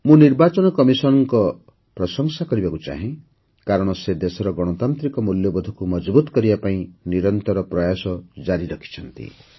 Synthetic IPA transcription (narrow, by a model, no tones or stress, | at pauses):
mũniɾbat͡ʃɔnɔkɔmisɔnɔŋkɔ | pɾɔsɔŋsakɔɾibakut͡ʃa̰ɦĩ | kaɾɔɽ̃ɔsed̪esɔɾɔɡɔɽ̃ɔt̪ant̪ɾikɔmuljɔbɔd̪ʱɔkumɔd͡ʒbut̪ɔ̥kɔɾibapaĩniɾɔnt̪ɔɾɔpɾɔjasɔd͡ʒaɾiɾɔkʰi̥t͡ʃʰɔnt̪ḭ